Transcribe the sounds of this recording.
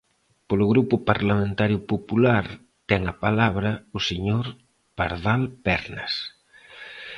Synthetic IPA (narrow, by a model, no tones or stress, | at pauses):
polʊɣɾupʊpaɾlamẽnt̪aɾjʊpopulaɾ | t̪ɛŋapalaβ̞ɾɐʊseɲoɾ | paɾðalpɛɾnas